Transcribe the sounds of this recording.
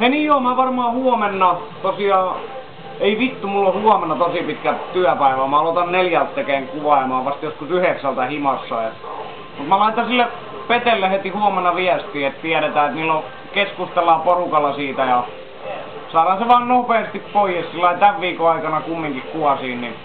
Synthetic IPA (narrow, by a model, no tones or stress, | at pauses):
henijoːmæʋɑrmɑːhuomenːɑt̪osiɑː | eiʋit̪ːumulːohuomenːɑt̪osipit̪kæt̪yæpæiʋæmæɑlot̪ɑnneljælt̪ːekeːŋkuʋɑˑemɑːʋɑst̪joskusyheksælt̪æhimɑsːɑet̪ | mut̪mælɑit̪ɑsilːe | pet̪elːehet̪ihuomenːɑʋiæst̪iːet̪t̪iæɾet̪æːet̪niːlːo | keskust̪elːˑɑːˑporukɑlːɑsiːt̪æjɑ | sɑːrɑseʋɑːnnopeːst̪ippoijessilːɑit̪æʋʋiːkoɑikɑnɑkumːiŋkikkuɑsiːnni